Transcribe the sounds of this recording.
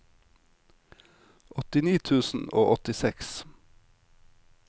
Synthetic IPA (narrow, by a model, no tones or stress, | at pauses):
ɔt̪ɪniːt̪ʰʉːsn̩oːʔɔt̪ɪsɛks